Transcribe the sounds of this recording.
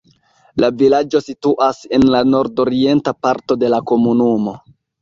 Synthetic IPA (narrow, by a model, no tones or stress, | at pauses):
lavilad͡ʒo̞situʔase̞nlano̞ɾdo̞ɾie̞ntapaɾto̞de̞lako̞munumo̞